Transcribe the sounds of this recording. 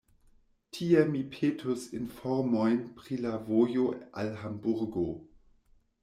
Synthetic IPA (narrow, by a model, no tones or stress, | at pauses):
tʰiemipʰeːtʰusinfɔɾmojnpɾilavojoʔa̰lɦambuɾɡo